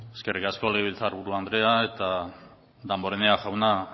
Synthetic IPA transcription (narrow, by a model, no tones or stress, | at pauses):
eske̞rikasko̞leɣeβilt͡saɾβuɾuand̪ɾe̞aet̪a | d̪ambo̞ɾeneaʝawna